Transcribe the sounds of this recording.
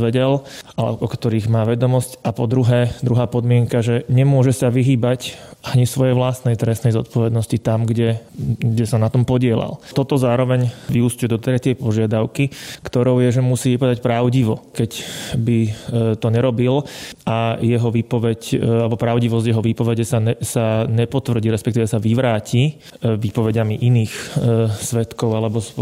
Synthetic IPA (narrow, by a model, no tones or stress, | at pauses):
ʋɛɟɛlalɛ̰ʔɔkt̪ɔɾiːɣmaːʋɛd̪ɔmɔscapɔd̪ɾuɦɛːd̪ɾuɦaːpɔd̪mɪɛŋkaʒɛɲɛmʊɔʒɛsaʋiɦiːbacʔaɲisʋɔjɛjʋlast̪nɛjt̪ɾɛsnɛjzɔt̪̚pɔʋɛd̪nɔscit̪amɡɟɛɡɟɛsanat̪ɔmpɔɟɪɛla̰lt̪ɔt̪ɔzaːɾɔʋɛɲʋiuscujɛd̪ɔt̪ɾɛcɪɛjpɔʒɪad̪aʊkikt̪ɔɾɔʊjɛʒɛmusiːʋipad̪acpɾaʊɟiʋɔkɛcbit̪ɔɲɛɾɔbilʔajɛɦɔʋiːpɔʋɛcalɛbɔpɾaʊɟiʋɔzɟjɛɦɔʋiːpɔʋɛɟɛsaɛsaɲɛpɔt̪ʋr̩ɟiɾɛspɛkt̪iːʋɛsaʋiʋɾaːci | ʋipɔʋɛɟamiʔiniːxsʋɛt̪kɔʊalɛbɔ